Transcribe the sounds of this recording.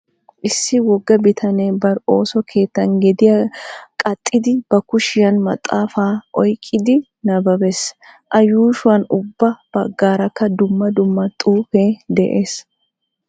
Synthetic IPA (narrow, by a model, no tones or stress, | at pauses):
ʔɪsːɪwɔɡːɐbɪt̪ʰɐneːbɐɾo̞ːsɔkʰe̞ːt̪ːɐnɡɛd̪ɪjɐkʼɐt̪ʼːɪd̪ɪb̥ɐkʊʃɪjɐnmɐ̰t̪ʼːaːfaːʔɔjkʼːɪd̪ɪ | nɐbɐbɛs | ʔɐjuːʃʊwɐnʊbːɐb̥ɐɡːaːɾɐkːɐd̪ʊmːɐd̪ʊmːɐt̪ʼuːfe̞ːd̪ɛʔeːs